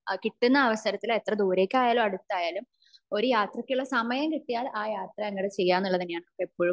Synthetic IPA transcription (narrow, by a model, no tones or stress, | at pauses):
kiʈːunːɐːʋɐsɐɾɐt̪ːilet̪rɐd̪uːɾe̞ːkʲːaːjaːlumɐɽut̪ːaːjaːlum | o̞ɾujaːt̪rɐkʲːuɭːɐsɐmɐjɐmkiʈːijaːlaːjaːt̪rɐeŋːɐɽet͡ɕe̞jːaːnːuɭːɐt̪inːejaːɳɨokːeipːo̞ːɻum